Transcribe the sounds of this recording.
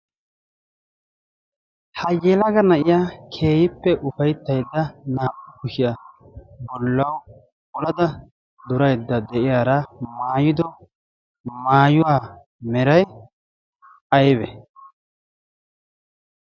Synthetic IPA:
hɐjeːlɐɡɐnɐʔɪjaːkʰe̞ːjɪpːɛʔʊfɐjt̪ːɐjd̪ːɐnaːʔʊkʊʃɪjɐ | bɔlːɐw | ɔlɐd̪ɐ | d̪ʊɾɐjd̪ːɐd̪ɛʔɪjaːɾɐmaːjɪd̪ɔ | maːjʊwaː | mɛɾɐj | ʔɐjbɛ

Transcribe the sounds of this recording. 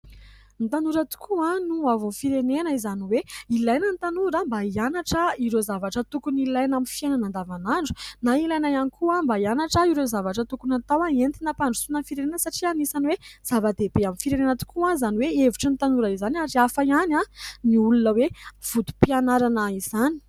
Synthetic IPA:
nit̪anuɾət̪u̥kʰuanuavunfiɾenenəizaniweilajnənit̪anuɾambaianaʈ͡ʂəiɾezavaʈ͡ʂət̪ukunilajnamifiananand̪avanaɳɖ͡ʐu̥nailajnajanikʰuambaianaʈ͡ʂəiɾezavaʈ͡ʂət̪ukunat̪awaent̪inapaɳɖ͡ʐusunanfiɾenenəsaʈ͡ʂianisaniwez̥avad̪ebeaminfiɾenenət̪u̥kuãzaniweeviʈ͡ʂinit̪anuɾaizanaɾiafaiananiulunəwev̥ud̪u̥pianaɾanəizani̥

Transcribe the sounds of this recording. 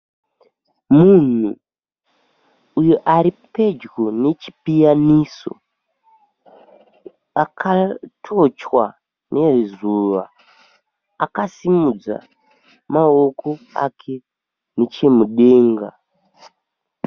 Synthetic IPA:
mun̤ṵ | joʔaɾipe̞d͡ʒɡo̞ne̞t͡ʃi̥pijaniso̞̰ | akʰatʰo̞t͡ʃwa̰ | nʔe̞zuʋa̰ | akasimud͡za̰ | mao̞ko̞a̰kʰe̞ | net͡ʃe̞muɗe̞ːŋɡa

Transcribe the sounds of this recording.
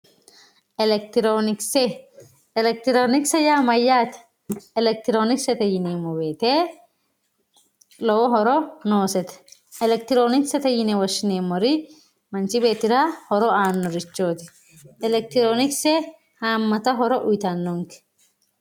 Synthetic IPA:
ɛkt̪ɾo | lɛk̚t̪ɪɾoːnɪksɛjaːmɐjːaːt̪ɛ̥ | ɛlɛk̚t̪ɪɾoːnɪksɛt̪ɐjɪneːmːɔbeːt̪eː | lɔwɔɦɔɾɔnoːsɛt̪ɛ̥ | ɛlɛk̚t̪ɪɾoːnɪksɛt̪ɐjɪnɛwɐʃːɪneːmːɔɾɪ | mɐnt͡ʃɪbe̞ːt̪ɪɾaːhɔɾɔaːnːɔɾɪt͡ʃːoːt̪ɪ̥ | ɛlɛk̚t̪ɪɾoːnɪkse | haːmːɐt̪ɐɦɔɾɔʔʊjt̪anːɔŋkɛ̥

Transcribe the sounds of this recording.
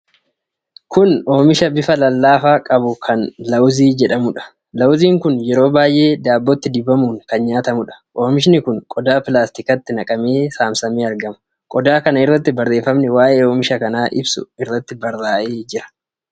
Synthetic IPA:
kʊno̞ːmɪʃɐbɪfɐlɐlːaːfaːkʼɐbʊkʰɐnlɐwziːd͡ʒɛᶑɐmʊᶑɐ̥ | lɐwziːŋkʊnjɛɾo̞ːbaːjʔe̞ːd̪aːbːɔt̪ːɪd̪ɪbɐmuːŋkɐnɲaːt̪ɐmʊᶑɐ̥ʔo̞ːmɪʃnɪkʊŋkʼɔd̪aːpɪlaːst̪ɪkɐt̪ːɪnɐkʼɐmeːsaːmsɐmiːɐɾɡɐmɐ̥ | kʼɔd̪aːkɐnɐɪrːɐt̪ːɪbɐrːe̞ːfɐmnɛwaːʔe̞ːo̞ːmɪʃɐkɐnaːʔɪ̰bsʊ̰ɪrːɐt̪ːɪbɐrːaːʔeːd͡ʒɪɾɐ̥

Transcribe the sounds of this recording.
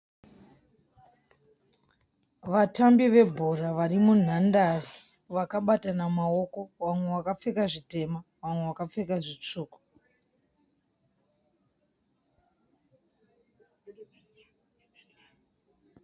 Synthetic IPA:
ʋatambiʋe̞bʱoraʋarimun̤andari | ʋakaɓatanamao̞ko̞wamwe̞wakap͡fe̞kaʐite̞ma | ʋamwe̞wakap͡fe̞kaʐit͡ʂuːku̥

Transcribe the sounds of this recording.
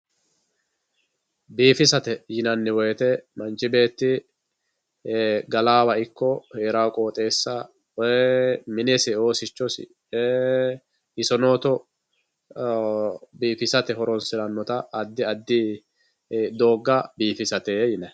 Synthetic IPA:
biːfɪsɐt̪ɛjɪnɐnːɪwɔjɛt̪ɛmɐnt͡ʃːɪbe̞ːt̪ːɪ | ɡɐlaːwɐɪkːɔhe̞ːɾaːkʼo̞ːt̪ʼe̞ːsːɐ | mɪnɛsɪoːsɪt͡ʃːɔsɪ̰ | ɪsɔnoːt̪ɔ | biːfɪsɐt̪ɛɦɔɾɔnsɪɾɐnːɔt̪ɐʔːd̪ːɪɐd̪ːɪ | d̪o̞ːɡːɐbiːfɪsɐt̪eːjɪnɐ

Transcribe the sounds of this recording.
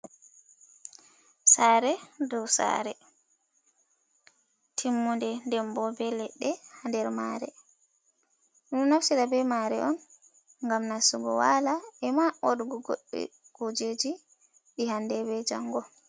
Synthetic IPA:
saːɾɛdɔwsa̰ɾɛ | tʰimːundɛndɛmbɔbɛlɛɗːɛhandɛɾma̰ːɾɛ | ʔunnafsiɗabɛmaɾɛ̰ʔɔn | ŋɡamnasuɡɔ̰walaɛmaʔoɗɡɔɡo̰ɗːɛ̰ɡ̥od͡ʒed͡ʒi | ɗihandɛbɛd͡ʒaŋɡɔ

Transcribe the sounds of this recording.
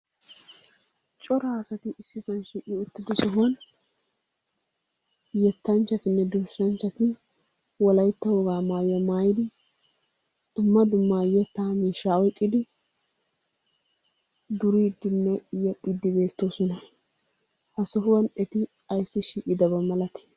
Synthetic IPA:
t͡ʃʼɔɾɐɐsɐt̪ɪʔːsːɪsɐnʃiːʔʼɪʊt̪ːɪd̪ɪsɔɦʊwɐn | jɛt̪ːɐnt͡ʃːɐt̪ɪnːɛd̪ʊɾsɐnt͡ʃːɐt̪ɪ | wɔlɐjt̪ːɐwɔɡaːmaːjɐmaːjɪd̪ɪ | d̪̥ʊmːɐd̪ʊmːaːjɛt̪ːaːmiːʃaɔjkʼːɪd̪ɪ | d̪ʊɾiːd̪ːɪnːɛjɛt̪ʼːid̪ːɪbe̞ːt̪ːo̞ːsɔnɐ | hɐsɔɦʊwɐnɛt̪ɪ | ɐjsːɪʃiːʔʼɪd̪ɐbɐmɐlɐt̪ɪ̥

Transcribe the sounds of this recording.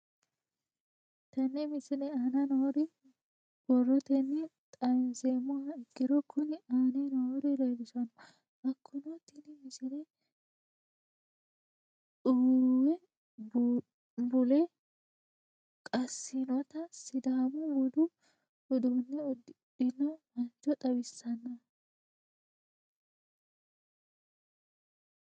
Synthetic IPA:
t̪ɐnːɛmɪsɪnɛanɐnoːɾɪ | b̥ɔrːɔt̪ɛnːɛt̪ʼɐjmseːmʊhɐɪkːɪɾɔkʰːʊnɪaːnɛnoɾɪleːbɪsɔnɔ | ʔɐkʰːʊnɔt̪ɪnɪmɪsɪnɛ | uwɛ | b | bʊlɛ | kʼɐsːɪnɔt̪ɐsɪd̪ɐɐmɔwɔd̪ʊ | ʔɔd̪unːɛddɪnːɔmɐnt͡ʃːɔt̪ʼɐwɪsːɐnːɐ

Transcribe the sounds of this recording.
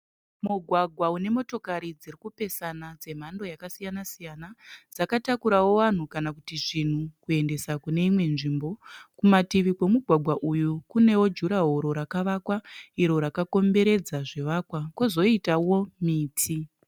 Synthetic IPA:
muɡʱwaɡʱwaune̞mo̞to̞kaɾid͡ziɾikupe̞sanad͡ze̞m̤ando̞jakasijanasijanad͡zakatakuɾawo̞ʋan̤ukanakutiʐin̤ukue̞nde̞sakune̞imwe̞nʐimbo̞kumatiʋikwe̞muɡʱwaɡʱwaʔujukune̞wo̞d͡ʒuɾaɦoɾo̞ɾakaʋakwaiɾo̞ɾakako̞mbe̞ɾe̞d͡zaʐe̞ʋaːkwakozo̞itawo̞miːtʰi

